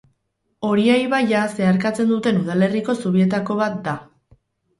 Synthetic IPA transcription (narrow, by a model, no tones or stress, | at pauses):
o̞ɾiajβajase̞aɾkat͡se̞nd̪ut̪e̞nuð̞ale̞riko̞suβie̞t̪ako̞βat̪̚d̪a